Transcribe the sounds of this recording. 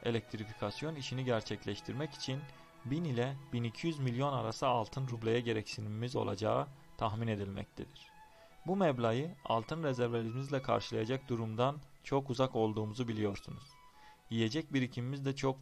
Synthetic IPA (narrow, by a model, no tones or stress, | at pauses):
e̞̰lʲɛc̚t̪ʰɾifikʰasjo̞niʃiniɟæɾt͡ʃʰɛclʲɛʃt̪ʰiɾmɛci̥t͡ʃʰin | binilʲɛbinicʰijyzmilʲjo̞naɾasɯalˠt̪ʰɯnɾublʲejaɟe̞ɾɛcsiniimizo̞̰lˠa̰d͡ʒaːɯ | t̪ʰaxmine̞d̪ilʲmɛ̰c̚t̪ʰed̪iɾ̥ | bumɛblʲajɯa̰lˠt̪ʰɯnɾezɛɾveɾimizlʲɛkʰa̰ɾʃɯlˠajad͡ʒak̚d̪uɾumd̪ant͡ʃʰo̞kuzako̞lˠd̪uːmuzubilʲijo̞ɾsunuz̥ | jije̞d͡ʒɛc̚biɾicʰimimizd̪ɛt͡ʃʰo̞k